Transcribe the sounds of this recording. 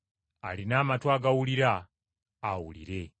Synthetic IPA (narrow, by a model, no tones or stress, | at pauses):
a̰linaːmatwaːɡawuliɾaː | wṵlḭɾe̞